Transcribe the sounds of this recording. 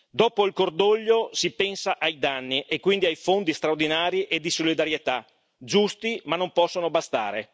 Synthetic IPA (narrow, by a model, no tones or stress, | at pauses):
d̪ɔːpoilkord̪oʎːosipɛnsaʔajd̪anːiʔekːwind̪iajfond̪ist̪ɾaord̪inaːɾiʔed̪isolid̪aɾjet̪a | d͡ʒust̪imanːompɔsːonobast̪a̰ːɾe